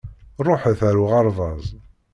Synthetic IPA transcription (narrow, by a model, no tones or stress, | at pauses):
rˤoħθæɾuʁɑɾˤðˤɑzˤ